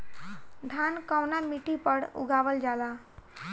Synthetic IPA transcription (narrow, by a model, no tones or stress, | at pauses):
ɖʱaːnkawnamiʈipəɽṵɡaːʋəld͡ʒaːla